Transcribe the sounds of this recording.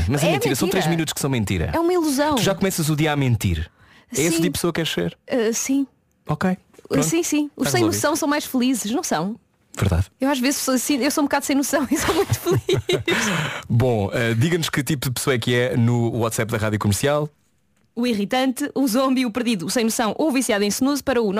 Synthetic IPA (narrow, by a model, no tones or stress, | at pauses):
mɐzɐmẽmt̪ĩɾɐsiɾɾeʒminut̪u̥ʃkɨsɐ̃w̃mẽnt̪ḭɾɐ̰ɛumɐilˠuzɐ̃w̪̃uʒakumɛsɐzuðiɐamẽnt̪ḭɾ | ɛɛsĩipsoɐkɛɾʃseɾɛsĩ | ɔkej̃ | sĩsĩuʃɐ̃jnussɐ̃w̃sɐ̃w̃majʃfɨlˠizɨʃnɐ̃w̃sɐ̃w̃ | vɨɾða̰ðewaʃvezʃpsoɐsĩewsoũb̚kaðusɐ̃j̃nusɐ̃w̃isõmũj̃t̪u̥fɨlˠiʃbõɛd̪iɣɐnuʃkɨt̪ipuðɨpɨ̥sowɐɛkɨɛnuwɔt̪sɛpðɐʁaðjukumɨɾsialˠ | uiʁit̪ɐ̃nt̪ɨuzõmbiupɨɾðiðusɐ̃j̃nusɐ̃w̃ʔovisjaðẽj̃snuzupɐɾɐun